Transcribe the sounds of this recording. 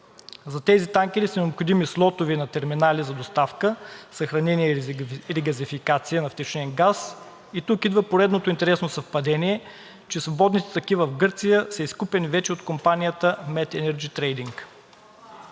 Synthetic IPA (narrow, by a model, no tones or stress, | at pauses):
zɐt̪ɛzit̪aŋk̟ʲɛɾisɐnɛopxod̪imislˠɔt̪ʊvinɐt̪ɛɾminalizɐd̪ost̪afkəsɐxɾɐnɛniɛɾiɡɐzifikat̪siənɐft̪ɛt͡ʃnɛnɡas | it̪ukid̪vəpoɾɛd̪not̪oint̪ɛɾɛsnosɐfpɐd̪ɛniɛ | t͡ʃɛsvobɔd̪nit̪ɛ̥t̪ɐk̟ivəvɡɤɾt̪sijəsɛiskupɛnivɛt͡ʃɛot̪kompanijət̪əmɛt̪ɛnɛɾd͡ʒit̪ɾɛjd̪iŋk